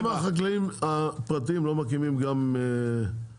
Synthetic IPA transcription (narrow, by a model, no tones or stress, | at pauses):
maχaklaimapʁat̪iimlo̞makimimɡame